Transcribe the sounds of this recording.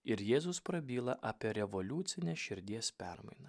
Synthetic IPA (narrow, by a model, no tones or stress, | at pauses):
ɪɾjeːzʊspɾɐbʲiːlˠɐʔɑːpʲiɛɾʲɛʋolʲuːt̪sʲɪnʲɛʃʲɪɾʲd̪ʲiɛspʲɛɾmɐ̰ɪnɐ